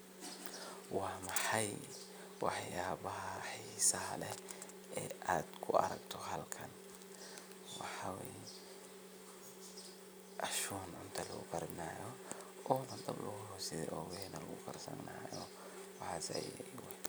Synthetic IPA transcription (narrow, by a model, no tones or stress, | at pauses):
wɑːmɑħɑj | wɑħjaːβɐɦɐħiːsɐɦɐlɛ | ɛːaːd̪kʰʊʔɐ̰ɾɐɡt̪ʰɔɦɐlkʰɐn | wɑħɑwɛːjɛ | ʔɐʃuːnʕʊnt̪ʰɐlɐɣʊ̰kʰɐɾdnaːjɔ | ɔːnɐd̪ɐblɐɣʊɦɔːsɪðɛ̰ʔɔːwɛnɐlɐɣʊkʰɐrsɐ̰nnaːjɔ | wɑħɑːsɛ̰jw